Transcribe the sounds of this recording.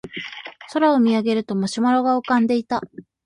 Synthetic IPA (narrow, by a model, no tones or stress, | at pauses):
so̞ɾaomʲiaɡe̞ɾɯ̟t̪o̞maɕimaɾoɡaokãnd̪e̞it̪a